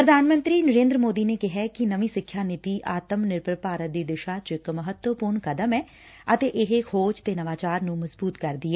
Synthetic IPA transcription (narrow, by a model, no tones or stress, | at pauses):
pɾəd̪ʱaːnmə̃nt̪ɾiːnəɾẽːnd̪ɾəmoːd̪iːneːkɪɦɛːkɪnəʋĩːsɪkʰjaːnɪt̪iːʔaːt̪əmnɪɾpɾəpaːɾət̪̚d̪iːd̪ɪʃaːt͡ʃoɪkməɦət̪wəpʊɾɳkəd̪əmɛː | ət̪eːʔɪɦexʰoːd͡ʒt̪eːnəʋaːt͡ʃaːɾnũːməzbuːt̪kəɾd̪iːɛː